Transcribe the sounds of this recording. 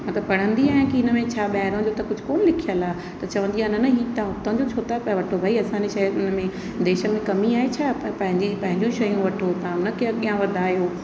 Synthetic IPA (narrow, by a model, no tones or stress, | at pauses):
mɐt̪ləbpɐɽ̤ə̃nd̪iaːɦɪ̃kiɪnəmẽt͡ɕʰaːɓɛɦɾõd͡ʑot̪ɐkʊd͡ʑʱʊ̥̆koːnəlɪkʰijəlaː | t̪ɐt͡ɕɐʋə̃nd̪iaːɪnɐnɐɦit̪ãt̪ɐɦə̃ɲd͡ʑot͡ɕʰoːt̪aʋɐʈʰobʱaːiɐsãːɲd͡ʑeʃɐjɪnə̆mẽ | d̪eːʃə̆mẽkɐmiaːɦet͡ɕʰaːpɐ̃ɦɪ̃ɲd͡ʑipɐ̃ɦɪ̃ɲd͡ʑũʃɐjũʋɐʈʰot̪ãʊnə̆kiəɠijãʋɐd̪ʱaːjoː